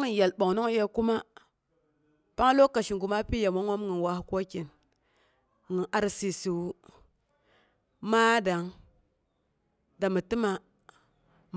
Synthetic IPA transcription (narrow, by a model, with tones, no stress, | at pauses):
ŋi˨ja˨lɓo˨ŋno˦ŋ˦je˦ku˦ma˦ | pa˦ŋ˦lo˦ka˨ʃi˨ŋ˨ɡu˨ma˦pi˦ja˨mo˦ŋʷo˦mŋi˨nwa˦hko˦ki˨n | ŋi˨ʔa˦ɾsi˨si˨wu˦ | ma˦da˨ŋ | da˨mi˨ti˦ma˦ | m